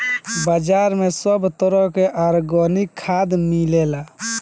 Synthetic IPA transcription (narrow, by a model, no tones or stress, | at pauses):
bəd͡ʒaɾmesəbʱt̪əɾəɦkeʔaɾɡɔnikʰːad̪milela